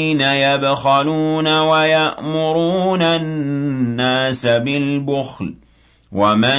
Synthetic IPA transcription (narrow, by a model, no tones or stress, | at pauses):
najabxaluːnawajaʔmʊɾuːnaː | aːsabɪlbʊxl | wʔama